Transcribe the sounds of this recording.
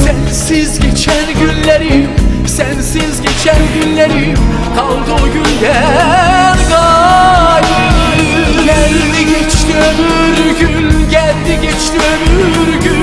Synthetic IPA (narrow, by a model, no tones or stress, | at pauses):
sænsizɟɛt͡ʃʰænɟynleɾim | sænsizɟet͡ʃʰænɟynleɾim | kʰɑlˠd̪oɟynɟæ | ɾɡɑ | j | ɟæld̪iɟɛt͡ʃt̪iømy | ɾɟynɟæld̪iɟɛt͡ʃt̪iømyɾɟy